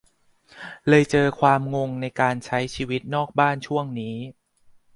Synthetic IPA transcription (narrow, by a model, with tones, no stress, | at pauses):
lɤː˧jt͡ɕɤː˧kʰwaː˧mŋo˧ŋna˧jkaː˧nt͡ɕʰa˦˥jt͡ɕʰiː˧wi˦˥t̪̚nɔː˥˩k̚baː˥˩nt͡ɕʰu˥˩əŋniː˦˥